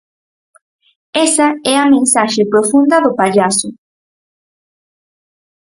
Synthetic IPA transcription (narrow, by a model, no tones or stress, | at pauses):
esaɛamẽnsaʃepɾofund̪ɐðopaʎasʊ